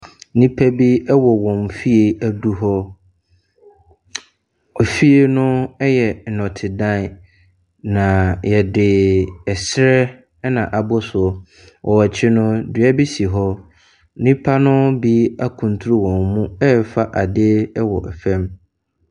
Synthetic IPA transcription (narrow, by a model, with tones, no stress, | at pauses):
nĩ˦pʰæ˦bi˦ɛ˦wɔ˨wɔ̃˨mfi˦e˨æ˦du˦ɦɔ˦ | ɔ˨fi˦e˦nʊ̃˦ɛ˦jɛ˨n̩˨nɔ̃˨tʰɪ˨dã˦˨ | nã˨jɛ˨dɪ˨ɛ˨sɾɛ˦ | nã̰˨ʔa˨bʊ˦sʊ˨ | wʔɔ˨wa˨t͡ɕʰɪ˦nʊ̃˦dɥa˦bi˦si˨ɦɔ˦ | nĩ˦pʰa˦nʊ̃˦bi˦a˦kʰũ˨n˨tʰu˦ɾu˦wɔ̃˨mmũ˦ɛ˦fa˦ʔa˨dɪ˦ɛ˦wɔ̰˨ʔɛ˨fɛ̃˦m